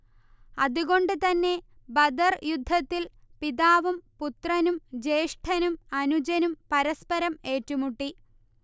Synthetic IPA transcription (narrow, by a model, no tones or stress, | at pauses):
ɐðuɣo̞ɳɖɨt̪ɐnːe̞ | bɐd̪ɐrjud̪ʱːɐt̪ːil | piðaːʋumput̪rɐnumd͡ʑe̞ːʂʈʰɐnumɐnud͡ʑɐnumpɐɾɐspɐɾɐme̞ːtːumuʈːi